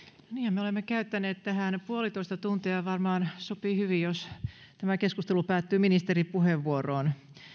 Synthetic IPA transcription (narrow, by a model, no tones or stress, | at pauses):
noniːhæmmeolemːekæyt̪ːæneːt̪t̪æhænpuolit̪oist̪ɑt̪unt̪iɑjʋɑrmɑːnsopihyʋijjos | t̪æmækeskust̪elupæːt̪ːyːminist̪eripuheʋːuoroːn